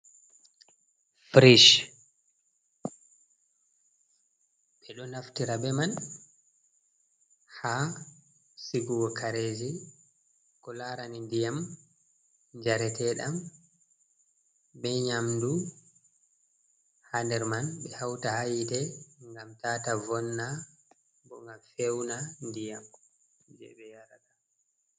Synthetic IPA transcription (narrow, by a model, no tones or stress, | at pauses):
fɾiʃ | ɓɛɗɔnaftiɾabɛman | ha | siɡuwɔkʰaɾeːd͡ʒi | kɔlaɾanindijam | ɲd͡ʒaɾɛtɛɗam | bɛɲamdu | handɛɾmanɓɛhawtahajdɛŋɡamtaːtavɔnːa | bɔŋɡamfewnandijam | d͡ʒɛ̰ɓɛjaɾaɗa